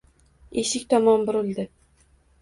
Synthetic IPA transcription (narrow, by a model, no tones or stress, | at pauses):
eʃɪkʲt̪ʰɒmɒnbʊɾɪlˠd̪ɪ